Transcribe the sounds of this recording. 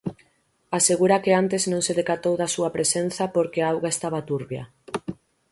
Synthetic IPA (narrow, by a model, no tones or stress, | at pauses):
aseɣuɾakeant̪eznõŋseðekat̪owðasuɐpɾesen̟θɐpoɾkeaawɣaest̪aβat̪uɾβja̰